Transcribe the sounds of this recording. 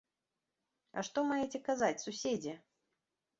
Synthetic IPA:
ɐ̰ʂt̪ɔmajɛt͡sʲɛkazat͡sʲsusʲed͡zʲɛ

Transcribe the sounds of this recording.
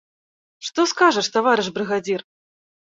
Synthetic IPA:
ʂt̪ɔskaʐɐʂt̪avaɾɨʐbɾɨɣad͡zʲir

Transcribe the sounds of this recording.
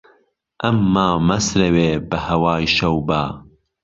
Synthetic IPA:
ʔɐmːaːmɐsɾɐweːbɐhɐwaːjʃɐwbaː

